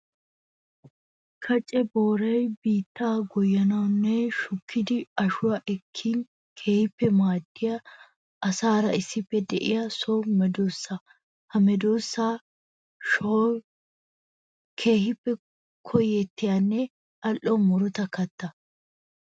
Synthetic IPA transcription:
kʰɐt͡ʃʼɛboːɾɐjbiːt̪ːaːɡɔjːɐnɐwnːɛʃʊkʰːɪd̪ɪɐʃʊwaʔɛkʰːiːn | kʰe̞ːhɪpːɛmaːd̪̥ːɪjɐ | ɐsaːɾɐɪsːɪpːɛd̪ɛʔɪjɐsoːmɛd̪oːsːa | hɐmɛd̪oːsːaː | ʃoː | kʰe̞ːhɪpːɛ | kʰɔjːɛt̪ːɪjanːɛ | ɐlʔːɔmɔɾʊt̪ɐkɐt̪ːɐ

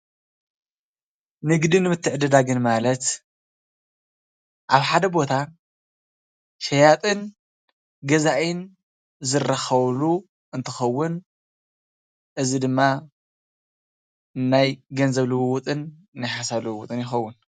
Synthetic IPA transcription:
nɨɡd̪inːɨmɨt̪ʰːɨʕɨd̪ɐd̪aɡɨnmalɐt̪ | ʔaβħad̪ɐbo̞t̪ʰa | ʃɐjat̪ʼɨn | ɡɐzaʔin | zɨrːɐxɐβlu | ʔɨnt̪ʰɨ̥xɐwːʊn | ʔɨzid̪ɨmːa | najɡɐnzɐβlɨwwʊt̪ʼɨnː | ajħasaβlɨwut̪ʼɨnjɪxɐwːʊn

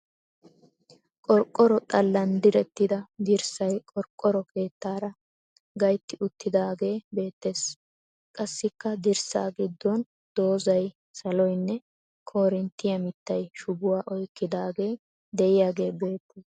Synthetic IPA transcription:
kʼɔɾkʼːɔɾɔt̪ʼɐlːɐnd̪ɪɾɛt̪ːɪd̪ɐd̪ɪɾsɐjkʼɔɾkʼːɔɾɔke̞ːt̪ːaːɾɐ | ɡɐjt̪ːɪʔʊt̪ːɪd̪aːɡe̞ːbe̞ːt̪ːe̞ːs | kʼɐsːɪkːɐd̪ɪɾsa̰ːɡɪd̪ːɔn | d̪o̞ːzɐj | sɐlɔjnːɛ | kʰo̞ːɾɪnt̪ːɪjɐmɪt̪ːɐjʃʊbʊwaːʔɔjkːɪd̪aːɡe̞ː | d̪ɛjɪjaːɡe̞ːbe̞ːt̪ːe

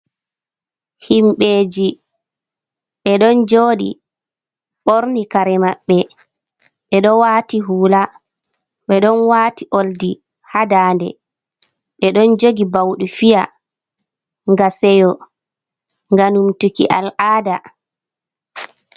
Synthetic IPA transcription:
himɓeːd͡ʒi | ɓɛɗɔnd͡ʒoːɗḭ | ɓoɾnikaɾɛmaɓːɛ | ɓɛɗɔwatiɦuːla | ɓɛɗɔnwaːtiʔoldi | hadaːndɛ̰ | ɓɛɗɔnd͡ʒoɡibawɗufija | ŋɡasɛjɔ | ŋɡanumtukḭʔalʔaːda

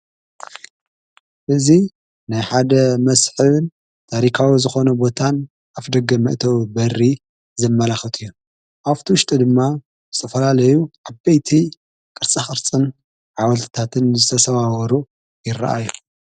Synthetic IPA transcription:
ʔɨzi | najħad̪ɐmɐsħɨβɨn | t̪ʰaɾikʰawizɨxo̞nɐbo̞t̪ʰan | ʔafd̪ɐɡɐmɨ̰ʔt̪ʰɐwbɐri | zɐmːɐlaxɨt̪ʰɨjːu | ʔaft̪ʰiwʊʃt̪ʼɨd̪ɨmːa | zɨt̪ʰɐfɐlalɐjuʕabbejt̪ʰi | kʼɨɾt͡sʼaxʼɨɾt͡sʼɨn | ʕawɐlt̪ʰɨt̪ʰat̪ʰɨnzɨt̪ʰɐsɐβawɐɾu | jɪrːɐ̰ʔa̰ju

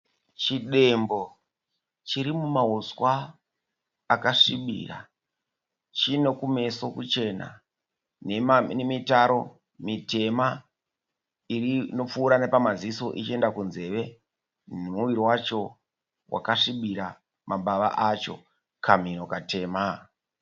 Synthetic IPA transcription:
t͡ʃiɗe̞mbo̞ | t͡ʃiɾimumaɦuswa | kaʂiɓḭːra̰ | t͡ʃino̞kume̞so̞kut͡ʃe̞na̰ | nenemitaɾo̞ | mite̞ma | irino̞p͡fuːɾane̞pamaziso̞ʔit͡ʃie̞ndakunze̞ʋe̞ | nemuʋiɾiwat͡ʃo̞ | wʔa̰kaʂiɓiɾa | maɓaʋa̰ʔat͡ʃo̞̰ | kamino̞katʰe̞ːma

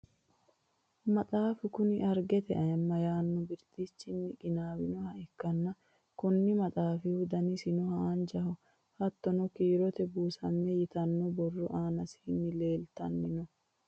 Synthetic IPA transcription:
mɐt̪ʼaːfɪkʊnɪɐɾɡɛt̪ɛ̰ʔɐɪmːɐjaːnːɔbɪɾt̪it͡ʃːɪnːɪkʼɪnaːwɪnɔhɐɛkːɐnːɐ | kʊnːɪmɐt̪ʼaːfɪhʊd̪ɐnɪsɪnɔhaːnd͡ʒɐhɔ | hɐt̪ːɔnɔkiːɾɔt̪ɛbuːsɐ̰mːɛjɪt̪ɐnːɔbɔrːɔʔaːnɐsɪ̥hɪnːɪle̞ːlt̪ɐ̰nːɪnɔ

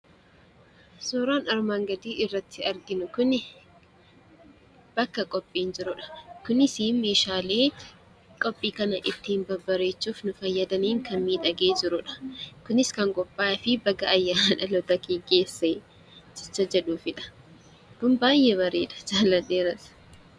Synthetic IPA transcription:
soːɾaːnɐɾmaːŋɡɐd̪iːɪrːɐt̪ʰːɪɐɾɡɪnʊkʊnɪ | b̥ɐkːɐkʼɔpʼːiːnd͡ʒɪɾʊᶑɐ̥kʊnɪsiːmeːʃaːleː | kʼɔpʼːiːkɐnɐʔɪt̪ːɪɪnbɐbɐɾe̞ːt͡ʃːuːfnʊfɐjːɐd̪ɐniːŋkɐnmiːᶑ̪ɐɡe̞ːd͡ʒɪɾʊᶑɐ̥kʊnɪskɐŋkʼɔpʼːaːfɪbɐɡɐːjːaːnᶑɐlɔt̪ɐkeɡeːsːeː | d͡ʒɛt͡ʃːɐd͡ʒɛᶑuːfɪᶑɐ̥ | kʊnbaːjːɛβɐɾeːᶑɐ̥d͡ʒaːlɐdeːɾɐs

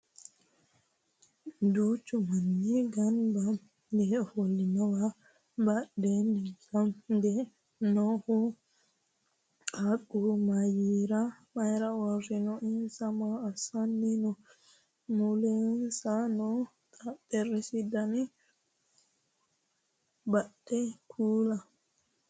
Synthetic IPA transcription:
d̪ut͡ʃːumanːiɡanbam | d̪ɛholːinawa | baɗɛnikamd̪ɛ | nɔhu | kakːumajiɾamajɾawaɾinɔʔinsamaːsanːinɔ | mulɛnsanɔ | tadɛɾesidani | baɗ̥ɛkʰuːla

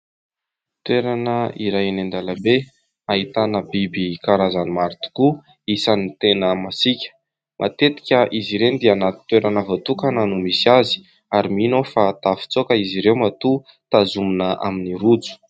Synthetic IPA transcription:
t̪weɾanəiɾajanend̪alabe | aɦit̪anəbibikaɾazanimaɾit̪i̥ku | isanit̪enəmasikʲə̥ | mʔa̰t̪et̪i̥kʲəʔiziɾend̪eanat̪i̥t̪weɾanəvot̪ukananumisazi̥ | aɾiminofat̪afi̥t͡sokəiziɾewmat̪u | t̪azumunəʔa̰miniɾut͡su̥

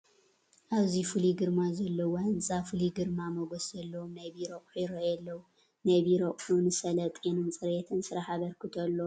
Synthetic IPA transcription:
ʔaβzifɨliɡɨɾmazɐlːɐwoɨnt͡sʼafɨliɡɨɾmamɐɡoszɐlːɐwomnajbiɾoχʼħuɾojɛlːɐwu | najβiɾɐχʼħunɨsɐlɐt̪ʼinɨnt͡sʼɨɾet̪ʰɨnsɨɾaħaβɐɾkʰɨt̪ʰolːo

